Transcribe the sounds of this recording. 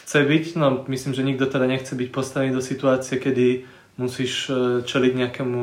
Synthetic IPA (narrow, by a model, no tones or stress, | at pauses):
xt͡sɛbicnɔmisliːmʒɛɲiɡ̚d̪ɔt̪ɛd̪aɲɛxt͡sɛbic̚pɔst̪aʋɛniːd̪ɔsit̪uaːt͡siɛkɛd̪i | musiːʃt͡ʃɛliɟɲɛakɛmu